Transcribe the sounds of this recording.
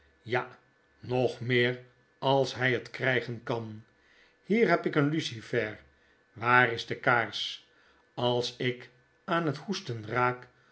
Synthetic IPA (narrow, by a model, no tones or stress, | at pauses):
ja | nɔχmɪːɹ | ɑlˠsɦɛjətkrɛjχənkɑn | hiːɹɦɛpɪkənlysifɛɹ | ʋaːrɪzdəkaːɹs | ɑlˠsɪk | aːnɦəthustənraːk